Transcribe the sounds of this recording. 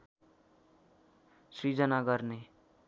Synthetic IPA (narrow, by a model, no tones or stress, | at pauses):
sɾid͡ʒənaɡəɾne